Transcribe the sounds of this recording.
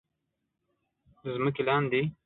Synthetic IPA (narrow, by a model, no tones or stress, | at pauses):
əzməkelɑnd̪i